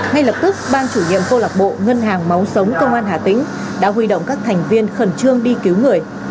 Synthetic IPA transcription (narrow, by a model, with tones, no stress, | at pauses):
ŋa˧jlə˨˩p̚t̪ɨ˦˥k̚ɓaː˧nt͡ɕu˧˩ɲḭ˧˨əmko˧la˨˩k̚ɓo̰˧˨ŋə˧nɦaː˨˩ŋma˨˦wsə˨˦wŋ͡mkə˧wŋ͡mʔaː˧nɦaː˨˩t̪ï˧˦ŋ̟ | ɗa̰ː˧˥ɦwi˧ɗo̰˧˨wŋ͡mkaː˦˥k̚t̪ʰɛ˨˩jŋ̟vi˧ənxə˨˩nt͡ɕɨ˧əŋɗi˧ki˨˦wŋɨ˨˩əj